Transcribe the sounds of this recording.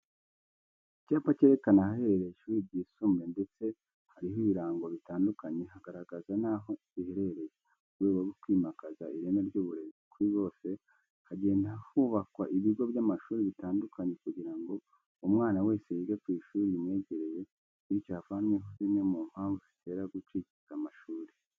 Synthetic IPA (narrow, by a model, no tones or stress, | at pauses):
icaːpace̞ɾe̞kanahahe̞ɾeɾejiʃuːɾib̚ɟiːsumɾe̞nde̞t͡se̞ | haɾiɦoiβiɾaːŋɡo̞βitaːndukaɲe̞haɡaɾaɡazanaɦo | ihe̞ɾeɾe̞je | uɡeːwaɡokwiːmakazaiɾeneɾɟuːβuɾe̞zikuɾiβo̞ːse̞ | haɟe̞ːndahuβakwaʔiβiɡo̞bjamaʃuːɾiβitaːndukʰaɲe̞kuɟiɾaŋɡo̞ | umŋaːnawe̞ːsejiɡekwiːʃuːɾiimŋe̞ːɟe̞ɾe̞je̞ | iɾicaːfanmweɦozinemum̥haːɱvuzi̥te̞ɾaɡut͡ʃicizamaʃuːɾe